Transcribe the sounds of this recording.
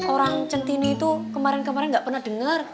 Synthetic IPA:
ʔoɾaŋt͡ʃənt̪iniit̪ukəmaɾɪnkəmaɾɪnɡaʔpərnaɖ̥əŋər

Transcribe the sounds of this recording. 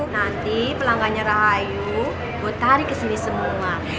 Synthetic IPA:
nant̪ipəlaŋɡaɲaɾaɦaju | bot̪aɾikəsinisəmua

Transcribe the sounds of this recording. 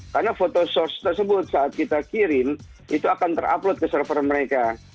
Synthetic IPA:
karnafot̪osɔrst̪ərsəbʊt̪̚saːt̪̚kit̪akiɾɪm | it̪uakant̪əra̰plot̪̚kəsərfərməɾeka

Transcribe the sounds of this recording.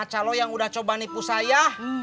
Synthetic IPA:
at͡ʃalɔjaŋudaht͡ʃɔbanipusajah

